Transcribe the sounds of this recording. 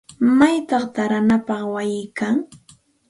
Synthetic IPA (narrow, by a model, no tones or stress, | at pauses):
majt̪ɑχt̪aɾanapɑχwajɪkaŋ